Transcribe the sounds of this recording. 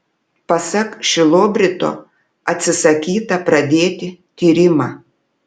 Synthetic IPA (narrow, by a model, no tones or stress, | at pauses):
pɐsɐkʃʲɪlˠoːbʲɾʲɪt̪o̰ | ɐt̪ʲsʲɪsɐkʲiːt̪ɐpɾɐd̪ʲeːt̪ʲɪt̪ʲiːɾʲɪmɑː